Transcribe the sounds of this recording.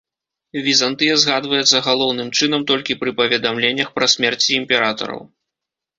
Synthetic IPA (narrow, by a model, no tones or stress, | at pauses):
vʲizant̪ɨjɛzɣad̪vɐjɛt̪sːɐɣalˠɔwnɨmt͡ʂɨn̪ɐmt̪ɔlʲkʲipɾɨpɐvʲɛd̪amlʲenʲːɐxpɾɐsʲmʲɛrt͡sʲiːmpʲɛɾat̪ɐ̰ɾɐ̰w